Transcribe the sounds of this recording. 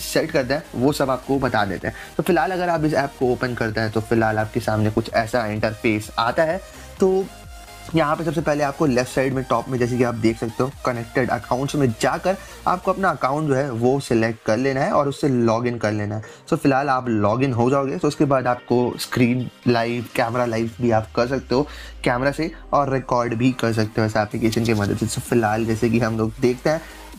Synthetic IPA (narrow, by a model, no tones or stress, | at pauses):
sɛʈkɐɾt̪eɦɛ̃ʋosɐbaːp̚kobɐt̪a̰ːd̪ḛːt̪ḛɦɛ̃t̪ofɪlɦaːlɐɡəɾaːp̬ɪs̬ɛːp̚kooːpənkɐɾt̪eɦɛ̃t̪ofɪlɦaːlaːp̚kesaːmnekʊt͡ʃʰɛːsaɪ̃ɳʈəɾfeːsaːt̪aɦɛː | t̪oː | jɐɦãpɐs̬ɐbsepɛɦleaːp̚kolɛːfʈsaɪɖmẽʈɔːpmẽd͡ʒɛːs̬ekiaːp̚d̪eːkʰsɐk̚t̪eɦoːkɐnɛk̚ʈɪɖɐ̰kaːʊ̃ɳʈsmẽd͡ʒaːkɐɾ | a̰ːp̚koɐpnaɐkãːʊ̃ɳʈ̚d͡ʒoːɦɛʋosɛlek̚ʈkɐɾleːnaɦɛʔɔːɾʊsːelɔːɡɪ̃nkɐɾleːnaɦɛ | t̪oːfɪlɦaːlaːplɔːɡɪnɦod͡ʒaːoːɡet̪oʊskebaːd̪aːp̚koskɾiːnlaːɪfkɛːmɾalaːɪfbʱiaːp̚kɐɾs̬ɐk̚t̪eɦoːkɛːmɾase | ɔːɾːɪkɔːɾɖbʱikɐɾs̬ɐk̚t̪eɦoɛːsɛːplɪkeːʃənkemɐd̪əd̪sesofɪlɦaːld͡ʒɛːsekiɦɐmloːɡ̚d̪eːk̚ʰt̪eɦɛ̃ː